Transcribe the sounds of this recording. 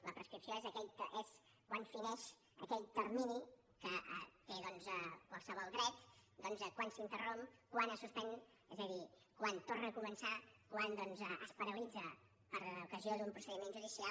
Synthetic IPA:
ləpɾəskɾipsioezəkɛʎt̪ʔez | kwanfinɛʃ | ə̰kɛʎt̪ərmini | kəə̰t̪eðɔnzəkwalˠsəβɔlˠɣɾɛt̪d̪ɔnzəkwansint̪ərompkwanəsuspɛn | ɛzəði | kwant̪ornəkumənsakwand̪ɔnzəʔəspəɾəlid͡zə | pəɾukəzioðd̪umpɾusəðimenʒuðisia

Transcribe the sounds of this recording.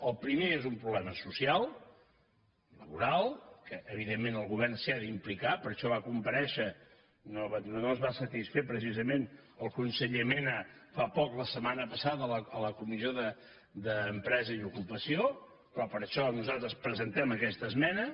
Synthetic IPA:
əlˠpɾimeezumpɾuβlɛməsusialˠ | ləβuɾalˠkəʔəβ̞iðemːenəlˠɣuβɛrnsiaðimplikapəɾʃɔβakumpəɾɛʃə | noβnozβasət̪isfepɾəs̬izəmenəlˠkunsəʎəmenəfapɔkləsəmanəpəsaðələələkumizioðə | d̪əːmpɾɛzəiðukupəsio | pɾɔpəɾʃɔnuzalˠt̪ɾəspɾəzənt̪ɛməkɛst̪əzmɛnə

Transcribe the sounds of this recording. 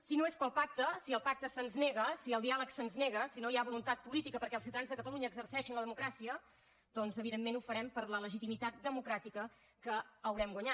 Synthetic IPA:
sinoespəlˠpak̚t̪əsiəlˠpak̚t̪əsənzneɣəsiəlˠd̪ialəksənzneɣəsinojaβulunt̪at̪̚pulit̪ikəpəɾkɛlsiwt̪anzðəkət̪əluɲəːɡzəɾsɛʃinləðəmukɾasiə | d̪̥ɔnzəβiðemːenufəɾɛmpəɾlələʒit̪imit̪at̪̚d̪əmukɾat̪ikə | kəːwɾɛmɡwəɲa

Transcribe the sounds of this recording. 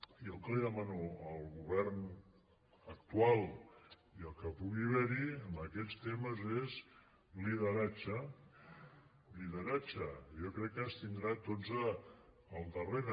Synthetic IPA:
iəlˠkəliðəmanuəlˠɣuβ̞ɛrn | əkt̪ualˠ | iəlˠkəpuɣiβɛɾiəmbəkɛst̪eməzez | liðəɾat͡ʃə | liðəɾat͡ʃəjɔkɾɛkːəst̪ind̪ɾat̪ozəː | lˠd̪əreɾ

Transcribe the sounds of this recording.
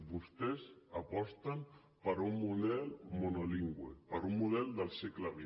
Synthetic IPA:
βust̪ɛzəpɔst̪əm | pəɾumːuðɛlmunoliŋɡwḛpəɾumːuðɛlˠd̪əlˠsɛkləβi

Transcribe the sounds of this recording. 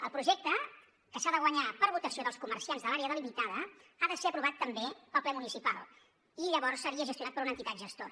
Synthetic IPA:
əlˠpɾuʒɛk̚t̪ə | kəsaðəɣwəɲapəɾβut̪əsioðəlˠskuməɾsianzðəlaɾeəðəlimit̪aðəaðəseəpɾuβat̪ːəmbepəlˠplɛmunisipa̰lˠ | iʎəβɔɾsːəɾiəʒəst̪unat̪̚pəɾunənt̪it̪at̪ʒəst̪o

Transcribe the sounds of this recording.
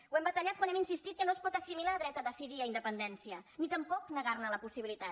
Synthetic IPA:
uwɛmbət̪əʎat̪̚kwanɛminsist̪it̪̚kənoəspɔt̪əsimilaːðɾɛt̪əðəsiðiəind̪əpənd̪ɛnsiənit̪əmpɔknəɣ̞arnələpusiβilit̪at̪

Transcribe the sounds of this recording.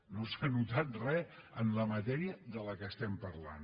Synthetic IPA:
nosanut̪at̪rɛənləmət̪ɛɾiəðələkəst̪ɛmpəɾla̰n

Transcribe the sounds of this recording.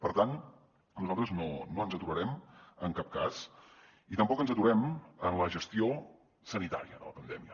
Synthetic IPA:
pəɾt̪an | nuzalˠt̪ɾəznonoənzət̪uɾəɾɛməŋkap̚kas | it̪əmpɔkənzət̪uɾɛmənləʒəst̪io | sənit̪aɾiə̰ðə̰ləpənd̪ɛmiə

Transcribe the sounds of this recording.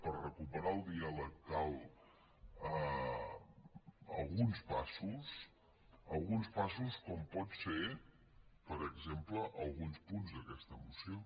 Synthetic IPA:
pərrəkupəɾaəlˠd̪ialək̚k̪alˠ | ə | ə̰lˠɣunspasus | əlˠɣunspasuskɔmpɔt̪fe | pəɾəɡzempləʔəlˠɣunspunzðəkɛst̪əːmusio

